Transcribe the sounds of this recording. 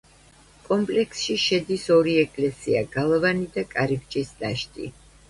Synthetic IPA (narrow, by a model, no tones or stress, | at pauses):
kʼɔmpʼlɛksʃiʃɛd̪isɔɾiɛkʼlɛsia̰ɡalˠavanid̪akʼaɾib̚t͡ʃʼisd̪aʃt̪ʼḭ